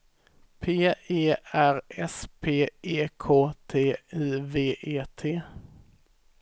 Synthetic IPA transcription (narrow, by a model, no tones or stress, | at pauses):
pʰeːeːæɾɛspʰeːʔeːkʰoːt̪ʰeːiːveːʔeːt̪ʰeː